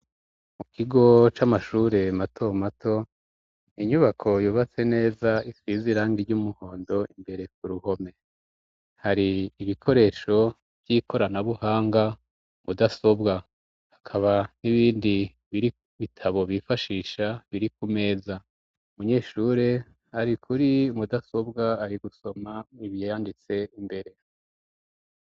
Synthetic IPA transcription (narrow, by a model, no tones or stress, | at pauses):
mukʰiɡo̞t͡ʃamaʃuːɾe̞matʰo̞matʰo̞ | iɲuβakʰo̞juːβat͡se̞ne̞ːzaiswiziɾaːŋɡiɾɟumuho̞ːndo̞imbe̞ɾe̞k̚uɾuho̞me̞ | haɾiːβikʰo̞ɾe̞ːʃo̞ | b̥ɟikʰo̞ɾanaβuhaːŋɡa | mudaso̞bɡa | hakʰaβaniβiːndi | βiɾi | βitʰaβo̞βifaʃiːʃaβiɾik̚ume̞ːza | umuɲe̞ːʃuːɾe̞ | aɾikʰuɾiumudaso̞bɡaːɾiɡuso̞maiβjejandit͡se̞imbe̞ɾe̞